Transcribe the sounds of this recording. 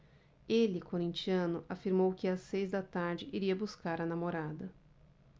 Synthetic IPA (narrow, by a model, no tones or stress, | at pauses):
elɪkoɾĩnt͡ʃiɐ̃nʊʔafiɾmowkɪasejzd̪ɐt̪aɾd͡ʒɪʔiɾiɐbuskaɾɐnamoɾad̪ɐ